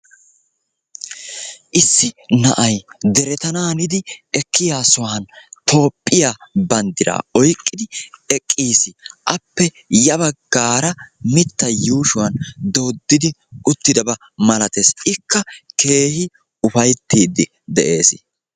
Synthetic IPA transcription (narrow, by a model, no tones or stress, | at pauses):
ʔɪsːɪnɐʔɐjd̪ɛɾɛt̪ɐnaːnɪd̪ɪɛkʰːɪjaːsʊwɐnt̪o̞ːpʼːɪjaːbɐnd̪ɪɾa̰ːɔjkʼːɪd̪ɪɛkʼːiːsɪʔɐpːɛ | jɐβɐɡ̥aːɾɐmɪt̪ːɐjuːʃʊwɐnd̪oːd̪ːɪd̪ɪʊt̪ːɪd̪ɐbɐ | mɐlɐt̪e̞ːsɪkʰːɐke̞ːhɪ | ʊfɐjt̪ːiːd̪ːɪ | d̪ɛʔe̞ːsɪ